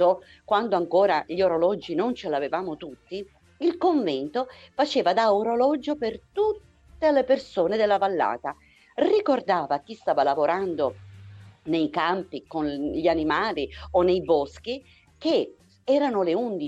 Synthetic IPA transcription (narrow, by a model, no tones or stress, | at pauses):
o | kwand̪oaŋkoːɾaʎioɾolɔd͡ʒːinont͡ʃelavevaːmot̪ut̪ːi | ilkoɱvɛnt̪ofat͡ʃeːvad̪aoɾolɔd͡ʒopert̪ut̪ːelepersoːned̪elːavalːa̰ːt̪a | rikord̪aːvakist̪aːvalavoɾand̪o | nejkampikonʎianimaːlionːejbɔsk̟i | k̟e | ɛːɾanoleund̪i